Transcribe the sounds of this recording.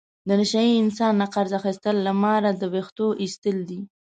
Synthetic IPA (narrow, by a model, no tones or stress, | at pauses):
d̪ənaʃajiɪnsɑnːaqaɾzaxist̪əlːamɑɾad̪əbext̪oʔist̪əld̪i